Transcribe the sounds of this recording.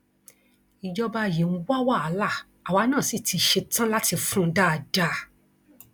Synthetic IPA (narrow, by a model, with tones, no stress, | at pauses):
i˨d͡ʒɔ˦ba˧˨je˨n̩˦wa˦wa˦˨a˨˦la˦˨ | a˨wa˨˧˦nãː˦˨si˦˨tʰi˧ʃe˧tã˦la˦ti˧fũ˦da˦˧d͡ʒa˧